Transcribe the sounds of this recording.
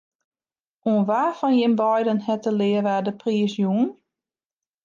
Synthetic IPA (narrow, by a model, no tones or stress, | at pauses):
ʔuənʋafɔnjɪmbɔjdənhɛtəlɪəʋaːdəpʰriəsjuən